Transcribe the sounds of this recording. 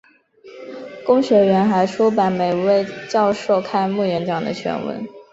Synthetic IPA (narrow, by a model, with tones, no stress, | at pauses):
kʊ˥ŋɕɥɛ˧˥ɥɛ˧˥nxa˧˥ɪʈ͡ʂʰu˥pa˧˥nme˨˩ɪwe˥˧ɪt͡ɕjɑ˥˧ʊʂo˥˧ʊkʰa˥˧nmu˥˩jɛ˧˥nʈ͡ʂɑ˨˩ŋd̪ə̰˦t͡ɕʰɥɛ̰˧˥nwə̰˧˥n